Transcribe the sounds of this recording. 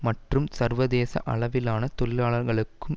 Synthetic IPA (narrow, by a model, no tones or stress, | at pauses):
mɐʈrɯmsɐrʋɐðeːsɐ̰ʔɐɭɐʋɪlaːnɐt̪ɔlɪlaːɭɐɾɣɐɭɯkːɯm